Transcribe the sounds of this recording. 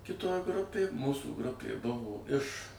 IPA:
kʲɪˈtoːj ˈɡrʊpʲeːj ˈmuːsuː ˈɡrʊpʲeː ˈbʊʋoː ɪʃ

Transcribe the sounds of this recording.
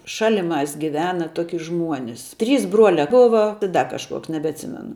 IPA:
ˈʃɑːlʲɪˌmɑːs ɡʲɪˈʋʲæːnɐ ˈtoːkʲɪ ˈʒmuɔnʲɪs tʲrʲiːs ˈbruɔlʲɛ ˈboːʋɐ ɪ ˈdɐ kɐʃˈkuɔks nʲɛbʲɛɐtʲˈsʲɪmʲɛnʊ

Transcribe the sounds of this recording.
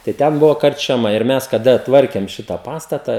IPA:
tɐɪ ˈtʲɛn ˈbʊʋoː kɐrʲt͡ʃʲɛˈmɐ ɪr ˈmʲɛs kɐˈdɐ ˈtʋɐrʲkʲeːm ˈʃʲɪtɑː ˈpɑːstɐtɐ

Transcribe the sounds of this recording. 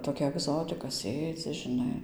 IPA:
toːˈkʲɛ ɐɡˈzoːtʲɪkɐ ˈsʲeːd͡zʲɪ ʒʲɪˈnɐɪ

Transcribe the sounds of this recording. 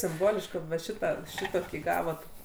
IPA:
sʲɪmˈboːlʲɪʃk kɐt ʋɐ ˈʃʲɪtɑː ˈʃʲɪtoːkʲiː ˈɡɑːʋoːt

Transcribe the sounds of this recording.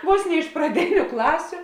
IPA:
ˈʋoːs nʲɛ ɪʃ prɐˈdʲeːnʲʊ ˈklˠɑːsʲʊ

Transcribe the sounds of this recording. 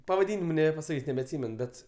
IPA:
pɐʋɐˈdʲiːnʲɪmʊ nʲɛbʲɛpɐsɐˈkʲiːsʲ nʲɛbʲɛɐtʲˈsʲiːmʲɛn ˈbʲɛt

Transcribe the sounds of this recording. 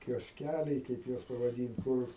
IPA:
kʲoːsʲˈkʲælʲɛɪ ˈkɐɪp juɔs pɐʋɐˈdʲiːnt ˈkʊr

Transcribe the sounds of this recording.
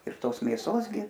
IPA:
ɪr ˈtoːs mʲeːˈsoːs ɡʲɪ

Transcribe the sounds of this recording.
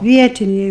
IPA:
ˈʋʲiɛtʲɪnʲɛɪ

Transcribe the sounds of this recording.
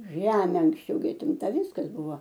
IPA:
ˈʒʲæːmʲeː ɐŋksʲˈt͡ʃʲɛʊ ɡʲɪ ɐtʲˈɪmtɐ ˈʋʲɪskɐs ˈbʊʋoː

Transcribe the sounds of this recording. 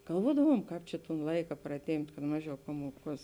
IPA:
ɡɐlˠˈʋuɔdɐʋuɔm ˈkɑːp t͡ʃʲɛ toːn ˈlˠɐɪkɐ prɐˈtʲeːmʲpʲtʲ kɐt ˈmɑːˌʒʲɛʊ ˈpɑːmuɔˌkuɔs

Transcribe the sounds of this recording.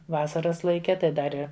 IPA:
ˈʋɑːsɐrɐs lˠɐɪˈkʲɛ ˈtɐɪ ˈdɐr ɪ

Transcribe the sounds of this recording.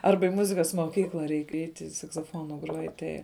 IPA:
ˈɐrbɐ ɪ ˈmʊzʲɪkɐs moːˈkʲiːklˠɐ ˈrʲɛɪk ˈɛɪtʲɪ sɐksoːˈfoːnʊ ˈɡruɔj ˈtɐɪ

